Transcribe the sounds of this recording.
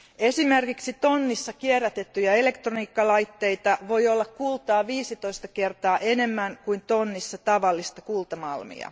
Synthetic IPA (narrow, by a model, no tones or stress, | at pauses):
esimerkiksit̪o̞nːisːɑkierːæt̪et̪ːyjɑe̞le̞kt̪roniːkːɑlɑjt̪ːe̞jt̪ɑʋo̞jolːɑkkult̪ɑːʋiːsit̪o̞ist̪ɑke̞rt̪ɑːʔene̞mːæŋkuint̪onːisːɑt̪ɑʋɑlːist̪ɑkult̪ɑmɑ̰lmḭɑ̰